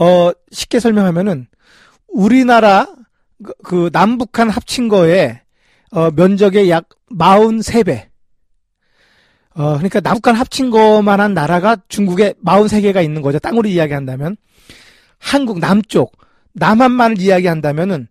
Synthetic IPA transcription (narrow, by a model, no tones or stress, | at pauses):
ʌ | ɕʰi̥p̚k͈e̞sʰʌɭmjʌŋɦamjʌnɯn | uɾinaɾa | kɯnambukʰanhap̚t͡ɕʰinɡʌe̞ | ʌmjʌnd͡ʑʌɡe̞jak̚ | maunsʰe̞be̞ | ʌkɯɲik͈anakʰanɦap̚t͡ɕʰinɡʌmanɦanːaɾaɡat͡ɕuŋɡuɡe̞maunsʰe̞ɡe̞ɡainːɯnɡʌd͡ʑot͈aŋuɾiijaɡiɦandamjʌn | hanɡuɡ̚namt͡ɕ͈ok̚ | namɦanmanɯɾijaɡiɦandamjʌnɯn